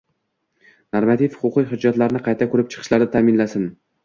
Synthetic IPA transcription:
noɾmat̪ʰifhʊqʊqɨjɦʊd͡ʒːat̪laɾnɪqʰɑjt̪ʰakʰʊɾɪp̚t͡ʃʰɨ̥qʰɨʃlaɾd̪at̪ʰaːmɪnlasɪn

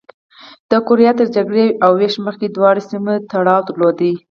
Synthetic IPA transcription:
d̪̥əkʊɾijɑt̪əɾd͡ʒaɡɽeʔawːeʃməxked̪wɑɽesimet̪aɽɑwd̪əɾlod̪i

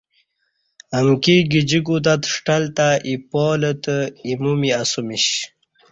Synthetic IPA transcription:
ɐŋkiɡid͡ʑiɡud̪at̪ʂʈɐlt̪aʔipoːlət̪əimumiasumiɕ

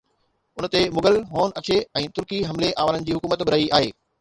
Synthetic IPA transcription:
ʊnə̆t̪emʊɡəlɦoːnɐt͡ɕʰeɛ̃ːt̪ʊɾkiɦɐmleʔaːʋaːlənɪ̆d͡ʑiːɦʊkuːmət̪bɪɾaiʔaːɦeː

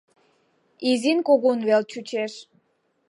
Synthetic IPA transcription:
izinkoɣunβelt͡ɕut͡ɕeʃ

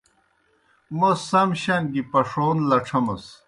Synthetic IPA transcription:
mosɐmɕɐnɡipɐʂoːnlɐʈ͡ʂʰɐmɐs

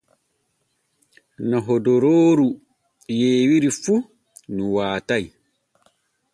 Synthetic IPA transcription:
naɦɔdɔɾoːɾu | jeːwiɾifu | nuwaːtaj

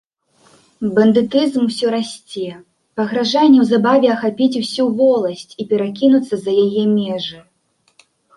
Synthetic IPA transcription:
bɐnd̪ɨt̪ɨzmwsʲɔɾasʲt͡sʲɛ | pɐɣɾaʐanʲːɛwzabavʲɛɐxapʲit͡sʲusʲuvɔlˠɐsʲt͡sʲipʲɛɾakʲinut̪sːɐzɐjajɛmʲɛʐɨ

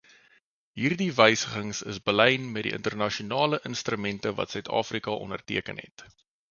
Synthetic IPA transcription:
ɦiːrdivəjsəχəŋsə̰sbəlɛjnmɛt̚dḭʔə̰ntərnɐʃiunɑːləʔənst̪rəmɛntəvɐ̰tsœɥtʰɑ̰ːfrikɐʔɔ̰nərtḭəkə̰nɦɛ̰t

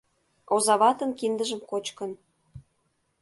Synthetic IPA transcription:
ozɑβɑt̪ə̆nkind̪əʒəmkot͡ɕkə̆n

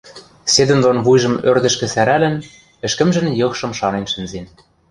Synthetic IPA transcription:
sed̪ɘ̆nd̪onβujʒɤ̆mørd̪ɘ̆ʃkɘ̆sæɾælɘ̆n | ɘ̆ʃkɘ̆mʒɘ̆njɤ̆xʃɤ̆mʃɑnenʃɘ̆nzen

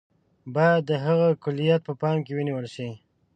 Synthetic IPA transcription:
bɑjad̪ːəɦaɣakʊlːijat̪̚pəpɑmkewəniwəlʃi

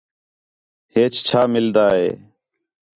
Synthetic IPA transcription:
heːt͡ʃt͡ʃʰaːmɪld̪aːɦḛː

